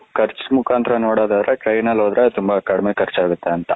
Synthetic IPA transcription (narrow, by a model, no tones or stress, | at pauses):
kɐɾt͡ʃmukʰaːnt̪ɾɐnoːɽaːd̪aːd̪ɾeʈɾɐjnɐlɦoːd̪ɾet̪umbɐkɐɽmeːkʰɐɾt͡ʃaːɡut̪ːeɐnt̪ɐ